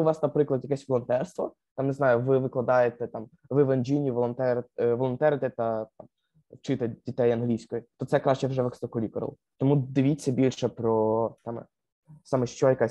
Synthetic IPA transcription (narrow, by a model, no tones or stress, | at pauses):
ʊʋɑsnɐpɾɪklˠɐd̪jɐkɛsʲʋɔlˠɔnt̪ɛrst̪ʋɔ̰ | t̪ɑmneznɑjʊʋɪʋɪklˠɐd̪ɑjet̪ɛt̪ɑm | ʋɪʋɐnʲd͡ʒʲinʲiʋɔlˠɔnt̪ɛɾʋɔlˠɔnt̪ɛɾɪt̪ɛt̪ɐt̪ɑm | wt͡ʃɪt̪ɛdʲit̪ɛjɐnɦlʲisʲkɔjit̪ɔt̪sɛkɾɑʃt͡ʃɛwʒɛʋɛkst̪ɔkɔlʲikɔɾ̰lˠ | t̪ɔmud̪ɪʋʲit͡sʲːɐbʲilʲʃɛpɾɔt̪ɑmɛ̰ | sɑmɛʃt͡ʃɔjɐka